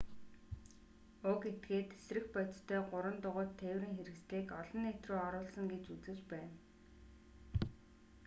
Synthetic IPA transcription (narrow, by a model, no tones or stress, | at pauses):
ʊket̪ɡeːt̪esrɘ̆xpœt̪t̪ʰœːɢʊɾwə̆nt̪ʊʁʊ̆ːt̪ʰːeːwrĭŋxeɾɘ̆ksɮiːkɔɮɞ̆net̪rʊːɔɾʊːɮsə̆ŋɡet͡ɕut͡sɘ̆t͡ɕpæːn